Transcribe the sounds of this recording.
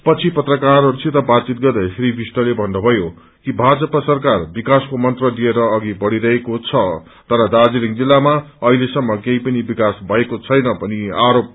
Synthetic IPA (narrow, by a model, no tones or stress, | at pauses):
pʌt͡sʰipʌt̪rʌkaɾɾt͡sʰiɾʌbat͡sit̪̚ɡʌrd̪ajsɾibʱisʈʌlebʱʌnːobʱʌjo | kibʱad͡zʌpasʌrkarbikaskomʌnt̪rʌd̪ieɾʌːɡibʌɽiɾʌɦekot͡sʰʌ | t̪ʌɾʌd̪ad͡ziliŋd͡zilːamaʌɦilesʌmːʌkej̃pʌnibikasbʱʌekot͡sʰʌjnʌpʌniaɾop̚